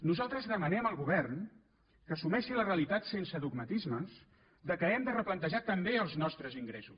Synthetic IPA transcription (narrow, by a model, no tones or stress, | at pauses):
nuzalˠt̪ɾəzðəmənɛməlˠɣuβɛrn | kəːsumɛʃiləreəlit̪at̪sensəðuɡmət̪izməs | d̪əkəɛmd̪ərəplənt̪əʒat̪əmbeəlˠznɔst̪ɾəziŋɡɾɛsus